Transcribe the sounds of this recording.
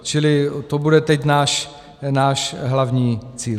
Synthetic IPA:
t͡ʃɪlɪt̪obudɛt̪ɛcnaːʃ | naːʃɦlavɲiːt͡siːl

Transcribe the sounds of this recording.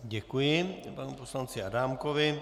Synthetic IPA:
ɟɛkujɪpanuposlant͡sɪadaːmkovɪ

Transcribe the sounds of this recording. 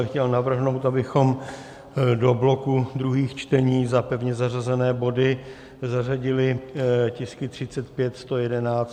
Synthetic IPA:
xcɛlnavr̩ɦno̞wt̪abɪxo̞m | do̞blo̞kud̪ɾuɦiːxt͡ʃt̪ɛɲiːzapɛvɲɛzar̝azɛnɛːbo̞dɪ | zar̝aɟɪlɪcɪskɪt̪r̝̥ɪtt͡sɛt̪pjɛt̪st̪o̞jɛdɛnaːt͡st

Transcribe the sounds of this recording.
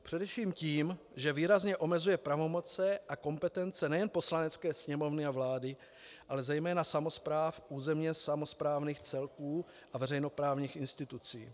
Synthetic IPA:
pr̝̥ɛdɛfʃiːmciːm | ʒɛviːɾazɲɛʔo̞mɛzujɛpɾavo̞mo̞t͡sɛʔako̞mpɛt̪ɛnt͡sɛnɛjɛnpo̞slanɛt͡skɛːsɲɛmo̞vnɪavlaːdɪ | ʔalɛzɛjmɛːnasamo̞spɾaːfʔuːzɛmɲɛsamo̞spɾaːvniːxt͡sɛlkuː | ʔavɛrɛjno̞pɾaːvɲiːxɪnst̪ɪt̪ut͡sḭː

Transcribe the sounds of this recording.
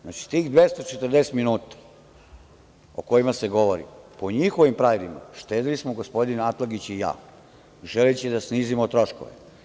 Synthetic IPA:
znat͡ʃi̥t̪iːxd̪ʋest̪ot͡ʃet̪rd̪ese̥t̪minuːt̪ḁ | oko̞jimase̞ɡo̞ʋoɾḭpo̞ɲixoʋimpɾaːʋilima̰ʃt̪eːd̪ilismoɡospo̞d̪inat̪laɡit͡ɕija̰ː | ʒelet͡ɕid̪asniːzimot̪ɾo̞ʃko̰ʋḛ

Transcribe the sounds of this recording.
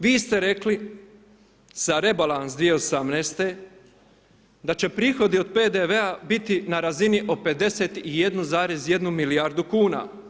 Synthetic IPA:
ʋiːst̪e̞ɾe̞kli | z̥aɾe̞balˠansd̪ʋijeosamneːst̪e̞ | d̪at͡ʃe̞pɾiːxo̞d̪io̞d̪̚pe̞ːd̪eʋe̞abit̪inaɾaziniʔo̞pe̞d̪e̞se̞t̪ije̞d̪nuzaːɾe̞zje̞d̪numiliaɾd̪ukuːna̰

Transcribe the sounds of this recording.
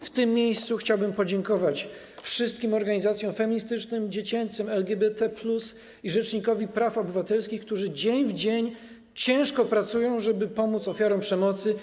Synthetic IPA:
ft̪ɘmːjejst̪suxt͡ɕawbɘmpɔd͡ʑɛŋkɔvat͡ɕ | fʂɘst̪̚kʲimɔɾɡaɲizat̪sʲjɔ̃w̃fɛmʲiɲist̪ɘt͡ʂnɘmd͡ʑet͡ɕɛnt̪sɛmɛlɡʲɛbɛt̪ɛplus | iʐɛt͡ʂɲikɔvʲipɾafɔbɘvat̪ɛlskʲixk̚t̪uʐɘd͡ʑeɲvd͡ʑeɲ | t͡ɕɛ̃w̃ʂkɔpɾat̪sujɔ̃w̃ʐɛbɘpɔmut̪sɔfʲjaɾɔw̃mpʂɛmɔt̪sɘ

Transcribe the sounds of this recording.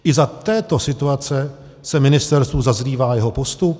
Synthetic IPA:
ʔɪzat̪ɛːt̪o̞sɪt̪uat͡sɛ | sɛmɪnɪst̪ɛɾst̪uːzazriːvaːjɛɦo̞po̞st̪up

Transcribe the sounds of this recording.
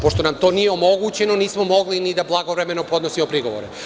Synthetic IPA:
poʃt̪onamt̪o̞nijeomo̞ɡut͡ɕe̞noniːsmo̞mo̞ɡlinid̪ablˠaɡoʋɾemenopo̞d̪nosiopɾiɡo̞ʋoɾe

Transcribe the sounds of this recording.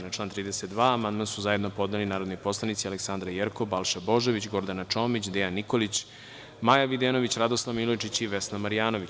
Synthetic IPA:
naʈ͡ʂlaːnt̪ɾiːd̪eset̪d̪ʋaːmand̪mansuzajed̪no̞po̞d̪nelinaːɾod̪nipo̞slˠanit̪sialeksand̪ɾajeɾkobalˠʃabo̞ʒoʋit͡ɕɡo̞ɾd̪anat͡ʂoːmit͡ɕd̪ɛjanːikolit͡ɕ | majaʋid̪eno̞ʋit͡ɕɾad̪oslˠaʋmilojt͡ʃit͡ɕiʋe̞snamaɾijaːno̞ʋit͡ɕ

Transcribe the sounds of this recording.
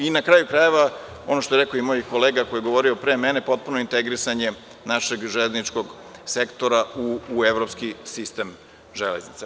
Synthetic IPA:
inakɾaːjukɾaje̞ʋa | o̞̰noʃt̪oeɾeko̞imojiko̞leːɡakojeɡo̞ʋo̞ɾiopɾe̞ːmene̞po̞t̪̚punoint̪eɡɾisaɲe̞ | naʃe̞ɡʒeleznit͡ʃko̞ɡ | sekt̪o̞ɾauːeʋɾopskisist̪e̞m | ʒeleznit̪se

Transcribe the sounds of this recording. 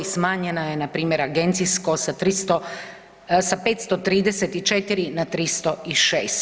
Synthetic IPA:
ismaːɲenajenapɾiːmjeɾaɡe̞nt̪sisko̞sat̪ɾist̪o | sape̞ːt̪st̪o̞t̪ɾiːd̪eset̪it͡ʃe̞t̪iɾinat̪ɾist̪o̞iʃeːst̪

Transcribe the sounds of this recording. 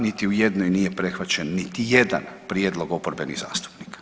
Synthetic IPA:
nit̪iujed̪nojnije̞pɾe̞xʋat͡ɕenːit̪ije̞d̪a̰npɾjed̪lo̞ɡo̞poɾbenḭɣza̰ːst̪u̥pnikḁ

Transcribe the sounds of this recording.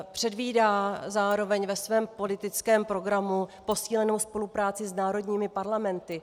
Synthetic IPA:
pr̝̥ɛdviːdaːzaːɾo̞vɛɲvɛsvɛːmpo̞lɪt̪ɪt͡skɛːmpɾo̞ɡɾamupo̞siːlɛno̞wspo̞lupɾaːt͡sɪznaːɾo̞dɲiːmɪpaɾlamɛnt̪ɪ

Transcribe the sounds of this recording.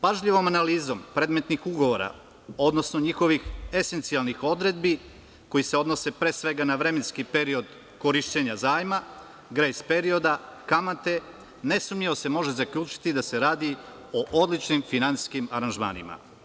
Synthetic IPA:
paʒʎiʋo̞manaliːzo̞mpɾe̞ːd̪met̪nixuɡo̞ʋoɾa̰ | o̞d̪no̞snoɲixo̞ʋixe̞se̞nt̪sialˠnixo̞d̪ɾe̞d̪bi | ko̞jise̞o̞d̪no̞se̞pɾe̞sʋe̞ɡanaʋɾe̞menskipe̞ɾio̞d̪ | ko̞ɾiʃt͡ɕeɲazaːjma | ɡɾejspe̞ɾio̞d̪akamant̪e̞ | nesumɲiʋose̞mo̞ʒezakʎʲuːt͡ʃi̥t̪id̪ase̞ɾaːd̪i | oʔo̞d̪lit͡ʃnimfinansi̥skimaɾanʒma̰ːnḭma̰

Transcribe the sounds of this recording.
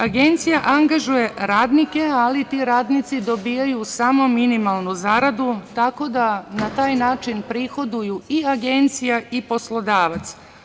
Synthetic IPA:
aɡe̞nt̪sijaʔaŋɡaʒuje̞ɾaːd̪nike̞alit̪iɾaːd̪nit̪sid̪o̞biːjajusaːmo̞minimalˠnuzaːɾad̪ut̪ako̞d̪anat̪aːjnaːt͡ʃinpɾixo̞d̪ujuiaɡe̞nt̪sijaipo̞slˠo̞d̪aːʋat̪s

